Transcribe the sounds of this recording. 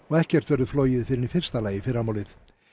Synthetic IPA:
ɔɣɛhcɛr̥t̪vɛɾðʏfloːwjɪðfɪɾɪnifɪr̥st̪alaːjɪfɪɾamaːwlɪθ

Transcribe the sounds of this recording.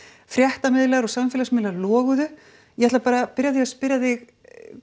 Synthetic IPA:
fɾjɛht̪amɪðlaɣɾɔsamfɪlasmɪðlaɾlɔːɣʏðʏ | jɛhat̪apaːɾapɪɾjaðɪɣaspɪɾjaðɪɣ

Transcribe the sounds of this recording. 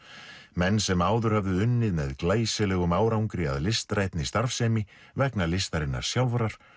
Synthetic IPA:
mɛnːsɛmaːwðʏɾ̥havðɪʏnːɪðmɛðklaːjsɪlɛːɣʏmaːwɾawŋkɾɪa̰ðlɪst̪ɾaːjt̪nist̪aɾfsɛːmɪ | vɛknalɪst̪aɾɪnːa̰ɾ̥sjawvɾaɾ̥

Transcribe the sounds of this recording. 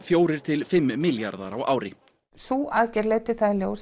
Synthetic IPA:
fjoːwɾɪɾ̥t̪ʰɪlfɪmːɪljaɾða̰ɾawʔa̰ːwɾɪhp | suːʔaðcɛɾleːt̪ɪ̥θaðljoːws

